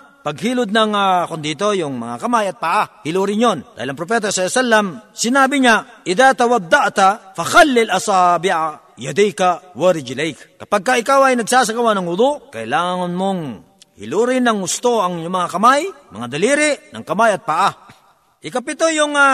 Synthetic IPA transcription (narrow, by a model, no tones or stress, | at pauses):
pɐɡ̚ɦiːlʊd̪̚nɐŋakond̪it̪ojʊŋmɐ̰ŋa̰kɐmajɐt̪̚paʔahɪluːɾɪnjond̪a̰ːhɪlɐŋpɾop̬ɛt̪̬asaɛsalːɐmsɪnaːbɪɲaʔɪðat̪ɐwad̪ːaʔt̪afɐxalːɪlʔɐsaːbɪʔa | jad̪ɛjkawaɾɪd͡ʒɪlɛjkkɐpaɡ̚kaʔɪkawɐjnɐɡsaːs̬ɐkawanɐŋhʊd̪ʊʔkɐʔɪlaːŋaŋɐnmoŋ | hɪ̰luɾɪnɐŋɡʊst̪oʔɐŋjʊmɐŋakɐmajmɐ̰ŋad̪ɐliːɾɪʔnɐ̰ŋkɐmajɐt̪̚paʔa | ʔɪkɐpɪt̪ojʊŋa